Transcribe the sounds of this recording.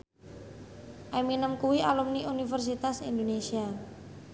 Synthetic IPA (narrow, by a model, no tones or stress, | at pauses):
ʔaminəmkuwiʔalumniunifərs̬it̪asḭnd̪onesia